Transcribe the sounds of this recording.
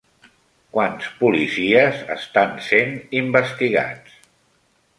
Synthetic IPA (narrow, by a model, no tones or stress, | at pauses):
kwanspulisiəzə̰st̪ansenimbəst̪iɣa̰t͡s